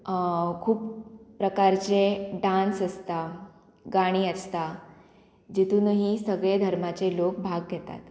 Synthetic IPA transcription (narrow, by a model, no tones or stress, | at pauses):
kʰuːpːɾəkaɾt͡seɖansəst̪a | ɡaɽ̃iːəst̪a | d͡ʑit̪uːnəɦisəɡɭed̪ʱəɾmat͡selok̚bʱaɡːɛt̪a̰t̪